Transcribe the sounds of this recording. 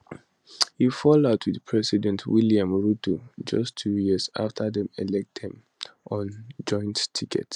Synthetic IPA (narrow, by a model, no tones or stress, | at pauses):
hifɔlaʊtʰwið̥pʰɹɛsidɛ̃ntʰwiliãmɹutud͡ʒʌ̰stʰːujiəsa̰ftʰəðɛ̃mɛlɛk̚thĩm | ʔɔ̃nd͡ʒɔ̃ɪ̃nttʰikʰɛ̰t